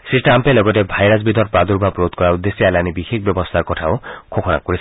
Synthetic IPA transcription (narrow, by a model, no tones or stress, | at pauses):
siʈampelɔɡɔtebʱajɾasbid̪ʱɔɾpɾad̪uɾbʱapɾot̪kɔɾaud̪esialanibixek̚ʰbjɔbɔst̪ʰaɾkɔtʰaokʰokʰɔna̰koɾisʰ